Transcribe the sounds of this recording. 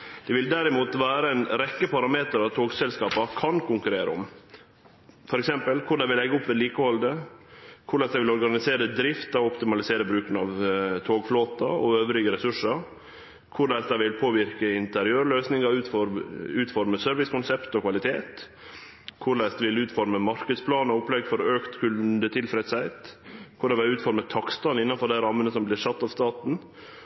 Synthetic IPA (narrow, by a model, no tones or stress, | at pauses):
d̪̥ɛʋɪld̪æɾɪmuːt̪ʋæːɾəɛnɾɛkːəpʰɑɾɑmeːt̪əɾɑʋt̪ʰoːɡsɛlskɑːpɑkʰɑnkʊŋkʉɾeːɾə̰ʊ̰m | fɔɾɛksɛmpəlkʰʊɾɖ̪ɛɪʋɪlɛɡʊpːʋɛːliːkəhɔld̪ə | kʰʊɭæɪsd̪ɛʋɪlɔɾɡɑnɪseːɾəd̪ɾɪft̪ɑɔpt̪ɪmɑlɪseːɾəbɾʉːkənɑʋt̪ʰoːɡfloːt̪ɑɔ̰øːʋəɾɪɡəɾɛsʉʂə | kʰʊɾɭæɪsd̪ɛʋɪlpʰoːʋɪɾkəɪnt̪əɾɪøːɾɭøːsnɪŋɑʉːfɔɾʉːt̪fɔɾməsœɾʋɪskʊnsɛpt̪ɔkʰʋɑlɪt̪ʰeːt̪ | kʰʊɭæɪsd̪ɛʋɪlʉːt̪fɔɾməmɑɾkəd̪spʰlɑːnɔɔpːlɛɡfɔɾɔøːkt̪kʰʉlnd̪ət̪ʰɪlfɾɛd̪sæɪt̪kʰʊɖɛʋɛʉːt̪fɔɾmət̪ʰɑkst̪ɑnɪnːɑnfɔɖ̪æɾɑmːənəsɔmblɪɾʂɑt̪ːɑʋst̪ɑːt̪n̩